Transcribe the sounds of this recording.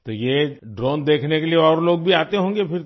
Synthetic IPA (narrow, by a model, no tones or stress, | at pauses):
t̪ojeɖɾoːnd̪eːkʰnekelieɔːɾloːɡ̚bʱiaːt̪eɦõːŋɡepʰɪɾ